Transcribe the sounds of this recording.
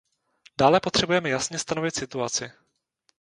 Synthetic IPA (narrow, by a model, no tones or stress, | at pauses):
d̥aːlɛpo̞t̪r̝̥ɛbujɛmɛjasɲɛst̪ano̞vɪt̪sɪt̪uat͡sɪ